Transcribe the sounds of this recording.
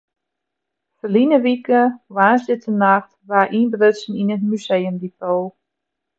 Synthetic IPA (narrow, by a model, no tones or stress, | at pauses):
fəlinəʋikəwaːnslɪtənaxtʋaʔinbrøsn̩inətmyseːəmdifoː